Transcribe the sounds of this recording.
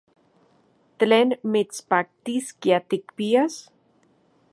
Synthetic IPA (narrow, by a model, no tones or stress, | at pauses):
t̪lenmetspak̚t̪iskjat̪ikpias